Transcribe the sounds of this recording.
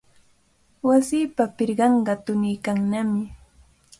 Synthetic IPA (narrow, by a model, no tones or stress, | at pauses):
wasiːpapɪɾɢɑɴɢɑt̪ʊnɪjkaŋnamɪ